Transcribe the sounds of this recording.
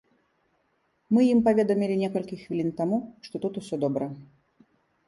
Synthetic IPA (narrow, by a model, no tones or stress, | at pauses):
mɨjimpavʲɛd̪ɐmʲilʲinʲɛkɐlʲkʲixvʲilʲint̪amuʂt̪ɔt̪ut̪usʲɔd̪ɔbɾɐ